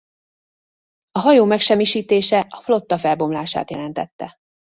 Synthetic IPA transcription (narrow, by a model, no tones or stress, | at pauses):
ɒɦɒjoːmɛkʃɛmːiʃiːt̪eːʃɛɒflo̞t̪ːɒfɛlbo̞mlaːʃa̰ːt̪jɛlɛnt̪ɛt̪ːɛ